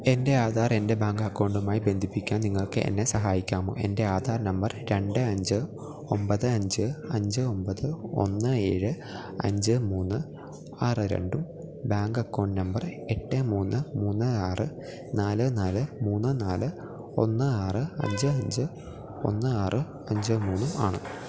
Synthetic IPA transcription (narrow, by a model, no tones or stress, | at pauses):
e̞nde̞aːd̪ʱaːre̞nde̞baːŋɡɐkːoːɳɖumaːjibe̞nd̪ʱipːikʲːaːnniŋːɐɭokːḛʔḛnːe̞sɐɦaːjikʲːaːmo̰ːe̞̰nde̞aːd̪ʱaːrnɐmbɐrɾe̞ɳɖɨɐɲd͡ʑɨ | ombɐðɨɐɲd͡ʑɨɐɲd͡ʑɨo̞mbɐðɨo̞̰nːɨe̞̰ːɻɨ | ɐ̰ɲd͡ʑɨmuːnːɨ | aːrɨɾḛɳɖum | baːŋɡɐkːo̞ːɳɖnɐmbɐre̞ʈːɨmuːnːɨmuːnːɨaːrɨ | naːlɨnaːlɨmuːnːɨnaːlɨ | o̞̰nːɨaːrɨɐ̰ɲd͡ʑɨɐɲd͡ʑɨ | o̞̰nːɨaːrɨ | ɐɲd͡ʑɨmuːnːua̰ːɳɨ̰